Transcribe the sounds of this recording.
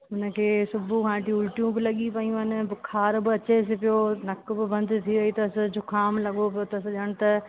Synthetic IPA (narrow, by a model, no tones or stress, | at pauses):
ɦʊnə̆kʰeːsʊbʱũkãːʈiʊʈjũbɪlɐɠipɐijũɐnɪ̆bɪkʰaːɾbɪɐt͡ɕesɪpijonɐkbɪbɐ̃nd̪t̪ʰiʋɐit̪ɐɐsɪd͡ʑʊkʰaːmlɐɠopot̪ɐɐs̬ɐ̃ʄəɽ̃t̪ɐ